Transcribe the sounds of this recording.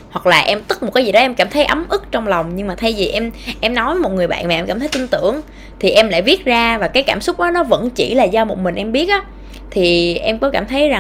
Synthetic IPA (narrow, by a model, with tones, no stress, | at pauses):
hwa˨˩k̚laː˨˩ʔɛ˧mt̪ɨ˦˥k̚mo˨˩t̚kaː˨˦jzi˨˩ɗɔ˨˦ʔɛ˧mkaː˧˩mt̪ʰə˨˦jʔə˨˦mʔɨ˦˥k̚t͡ɕɔ˧wŋ͡mla˨˩wŋ͡mɲɨ˧ŋmaː˨˩t̪ʰə˧jvi˨˩ʔɛ˧mʔɛ˧mnɔ˨˦jmo˨˩t̚ŋɨ˨˩əjɓa̰ː˧˨nm˨˩ʔɛ˧mkaː˧˩t̪ʰjt̪i˧nt̪ɨ̰˧˩əŋ | t̪ʰi˨˩ʔɛ˧mla̰ː˧˨vi˦˥ət̚zaː˧vaː˨˩kaː˨˦jkaː˧˩msʊ˦˥k͡p̚ɗɔ˨˦nɔ˨˦və̰˧˥nt͡ɕḭ˧˩laː˨˩zɔ˧mo˨˩t̚mï̟˨˩ʔɛ˧mɓi˦˥ət̚ʔaː˨˦ | t̪ʰi˨˩ʔɛ˧mkɔ˨˦kaː˧˩mt̪ʰə˨˦jza˨˩